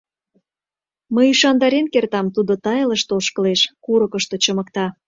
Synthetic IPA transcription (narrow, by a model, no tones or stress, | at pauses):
məjiʃɑnd̪ɑɾenkert̪ɑmt̪ud̪ot̪ɑjləʃt̪olʃkə̆leʃkuɾəkəʃt̪ot͡ɕəmə̆kt̪ɑ